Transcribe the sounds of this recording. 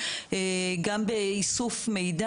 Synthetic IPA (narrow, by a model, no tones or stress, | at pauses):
eɡambeisufmejda